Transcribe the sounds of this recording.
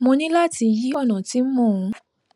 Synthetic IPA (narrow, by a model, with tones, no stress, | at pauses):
mõ˧nĩ˦la˦˨ti˧ji˦ɔ˦˨nã˨ti˦mɔ̃˦˨ũ˧˦